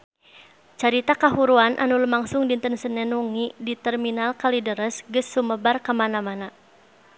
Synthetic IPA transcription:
t͡ʃaɾit̪akaɦuɾuanʔa̰nuləmaŋsʊŋdint̪ənsənɛnuŋidit̪ɛrminalkalidəɾəsɡəsːuməbarkəmanamana

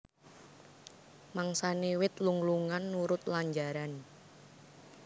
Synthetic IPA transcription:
maŋsanewɪt̪luŋluŋanːuɾʊt̪̚laɲd͡ʒaɾan

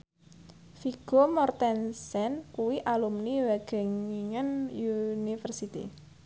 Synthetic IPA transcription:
fiɡ̥o̤mɔrt̪ɛnsɛnkuwiʔalumniwɛɡ̥ɛ̤ŋiŋənjunifərsit̪ḭ

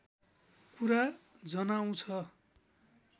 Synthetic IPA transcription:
kuɾad͡zʌnaw̃t͡sʰʌ

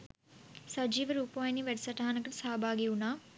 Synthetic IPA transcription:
sɐd͡ʒiːʋɐɾuːpaːjniʋeɖsɐʈaːnɐkːɐɽsaːbʱaːɡiunaː

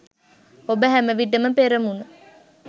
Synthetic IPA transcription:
obəɦæməʋiɖəməpeɾəmunə

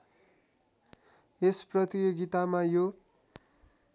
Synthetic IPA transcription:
esprʌt̪ijoɡit̪amajo

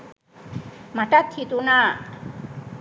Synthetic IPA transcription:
matat̪ʰːit̪una

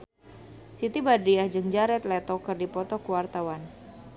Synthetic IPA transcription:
sit̪ibadɾiahd͡ʒɨŋd͡ʒaɾɛt̪lɛt̪ɔkɨrdipɔt̪ɔkuwart̪awan

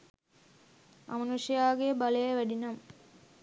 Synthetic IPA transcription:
ɐ̰mɐnuʂɐjaːɡebalejəʋæɖinɐm

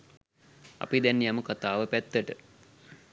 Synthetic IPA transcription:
ɐ̰pid̪ɛnːijaməkat̪aːʋəpæt̪ːəʈə

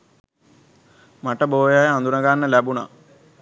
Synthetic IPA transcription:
mɐʈːɐboːjaːjɐɐnd̪unɐɡaːnːɐlɐbuɳɐ̰

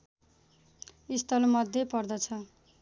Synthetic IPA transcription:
ist̪ʰʌlmʌd̪ʱjepʌrd̪ʌt͡sʰʌ

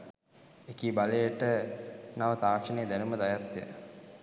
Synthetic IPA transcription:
ekiːbaləjəʈənaʋət̪aːkʂənejd̪ænuməd̪ajat̪ːjə̰

